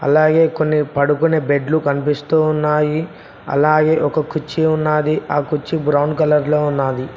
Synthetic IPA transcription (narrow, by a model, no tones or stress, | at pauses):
ɐ̰laːɡe̞ːko̞nːipɐɽukuneːbe̞ɖlukɐnipist̪uːunːaːji | ɐ̰laːɡe̞ːʔɔkɐkut͡ʃːiunːaːd̪iaːkut͡ʃːibɾɐwɳɖkɐlɐɾlo̞ːunːaːd̪i